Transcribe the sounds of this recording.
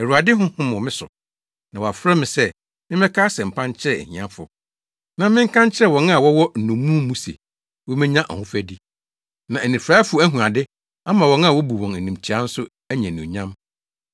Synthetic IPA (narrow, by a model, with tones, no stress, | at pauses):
ɛ˨ɾu˨a˨dɪ˦ɦʊ̃˦hʊ̃˦mʊ̃˨mɪ̃˦sʊ̰˨ | nã˨wa˨fɾɛ˦mɪ̃˨sɛ˦ | mɪ̃˦mɛ˦kʰaː˦sɛ̃˨m̩˨pʰã˦n˦t͡ɕʰɪ˦ɾɛ˦ɛ̰˨hḭ̃˨ã˦fʊ̰˨ | nã˦mɪ̃˦ŋ̩˦kʰã˦ɲt͡ɕʰɪ˦ɛ˦wɔ̃˨na˦˨wɔ˦wɔ˦n̩˨nũ˨mũː˦mũ˦sḛ˨ | wɔ˦mɪ̃˦ɲã˦ʔɔ̰˨hʊ̃˦fæ˦di˦ | nã˨æ˨nĩ˨fɾaː˦fʊ˨˦æ˦ɦũ˨a˨dɪ˦ | a˦mã˨wɔ̃˨nã˦˨wɔ˦bu˨wɔ̃˨næ˨nĩ˨m˨t͡ɕʰi˨a˦n̩˦sʊ˦ | æ˦ɲɛ̃˨nũ˨ɲã˦m